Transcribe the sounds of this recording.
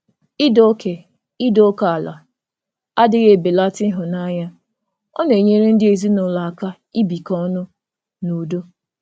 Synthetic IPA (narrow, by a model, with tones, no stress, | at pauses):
i˦do˦ke˨ | i˦do˦o˦ka˨a˨la˨ | a˦dɪ˨ɣe˨be˨la˦tɪ˦ɦʊ˨na˦ɲa˦ | ɔ˦ne˨e˨ɲe˦ɾe˦n̩˦dɪ˦e˨zi˦nʊ˨la˨ka˦ | i˦bi˨kɔ˦nʊ˦ | nu˨do˦